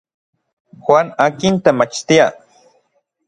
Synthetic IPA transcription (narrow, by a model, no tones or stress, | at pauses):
xwanakint̪emat͡ʃt̪ia